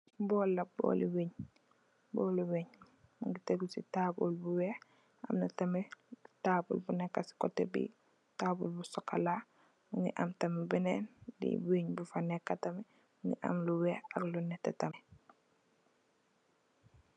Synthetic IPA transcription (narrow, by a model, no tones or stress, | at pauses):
bɔlːɐbɔ̰ːluweɲ | bɔluweɲ | muŋɡiteɡusitaːbulbuwɛː | a̰mnɐtɐmɛtaːbṵlbunɛkːasi̥kɔtːɛbḭ | taːbulbusɔkːala | muŋɡiʔamtɐmɛbɛnɛnlḭbweɲbufanɛkːatɐmɛ | uŋɡiʔa̰mluwɛhaklunɛtːɛ̰tɐmɛ